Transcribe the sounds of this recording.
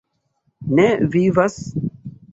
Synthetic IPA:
nevivas

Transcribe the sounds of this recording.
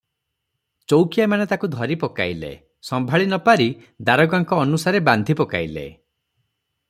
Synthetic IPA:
t͡ʃowkijamanet̪akud̪ʱɔɾipɔka̰jlḛ | sɔmbʱaɭinɔpaɾi | d̪aɾɔɡaŋkɔːnusaɾeband̪ʱipɔka̰jlḛ

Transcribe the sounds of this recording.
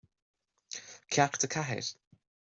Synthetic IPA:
kʰjakt̪əkʰaɦɪ̰ɾ

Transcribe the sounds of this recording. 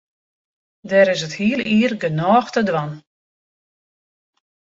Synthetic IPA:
dɛːɾɪsəthiəlˠiːərɡənɔːxtədʋan

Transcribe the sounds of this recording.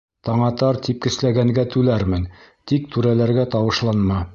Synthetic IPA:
t̪ɑɴɑt̪ɑɾt̪ip̚kɘ̆slæɡæŋɡæt̪ʉlæɾmɘnt̪ik̚t̪ʉɾælæɾɡæt̪ɑwɤ̆ʃlˠɑnmɑ

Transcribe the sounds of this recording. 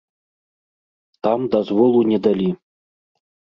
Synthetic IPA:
t̪ɑmd̪azvolˠunʲed̪alʲi

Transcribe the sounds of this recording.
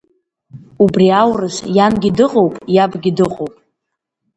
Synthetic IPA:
ubriawrɨʃjanɡʲidɨqʼowpʼjabɡʲidɨqʼowpʼ

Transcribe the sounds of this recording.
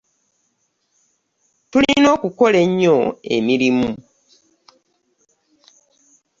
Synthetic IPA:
tulino̞ːkuko̞le̞ɲːo̞e̞̰miɾimu

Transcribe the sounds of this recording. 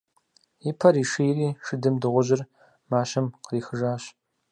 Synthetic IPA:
ipʰɐɾiːʂijriːʂɨdɨmdɨʁʷʊʑɪr | maːʃɐmqəriːxɨʒaːɕ

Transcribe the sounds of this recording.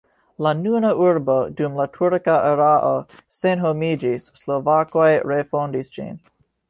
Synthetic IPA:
lanunaʔuɾbo̞dumlatʰuɾkaʔeɾaʔosenɦomid͡ʒisːlovakojɾefondisd͡ʒḭn

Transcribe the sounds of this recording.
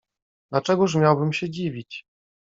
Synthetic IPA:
d̪lat͡ʂɛɡuʂ̬mʲjawbɘmɕɛd͡ʑivʲit͡ɕ

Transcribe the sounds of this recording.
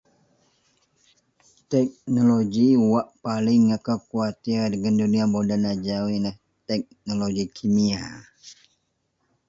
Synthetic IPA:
t̪ɛk̚noloɡiwaʔpalɪŋakəkuat̪idəɡənduniabodanad͡ʒawinəh | t̪ɛk̚noloɡikʰimia

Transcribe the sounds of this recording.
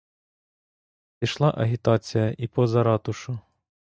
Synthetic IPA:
pʲiʃlˠɑʔɐɦʲit̪ɑt͡sʲijɐʔipɔzɐɾɑt̪ʊʃʊ

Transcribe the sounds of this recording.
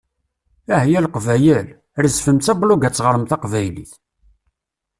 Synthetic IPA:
æhjælqvæjəl | ɾəzfəmt͡sæbluɡæt͡sːʁəɾˤəmθɑqvæjlḭθ

